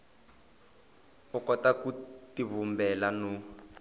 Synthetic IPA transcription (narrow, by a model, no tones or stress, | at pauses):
ɔkɔtakutiβumbɛlanu